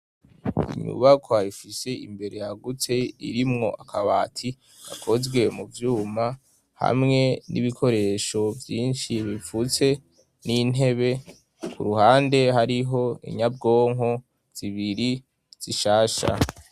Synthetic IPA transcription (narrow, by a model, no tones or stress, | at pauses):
ḭɲṵβakʰoaifise̞ḭmbe̞ɾe̞jaɡut͡se̞ḭɾimŋo̞ʔakʰaβaːtʰi | ɡ̥a̰kʰo̞zɡwe̞muvjuːma | ha̰mŋe̞niβikʰo̞ɾe̞ʃo̞vjiːnʃiβifut͡se̞ | ninɦe̞βe̞ | kʰuɾuhaːnde̞ɦaɾiɦo̞ḭɲab̚ɡo̞ːŋɦo̞ | z̥iβiɾi | z̥iʃaːʃa̰